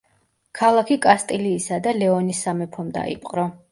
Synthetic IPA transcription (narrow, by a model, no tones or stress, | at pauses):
kʰalˠakʰikʼast̪ʼiliːsad̪alɛɔnisːamɛpʰɔmd̪a̰ḭpʼqʼɾɔ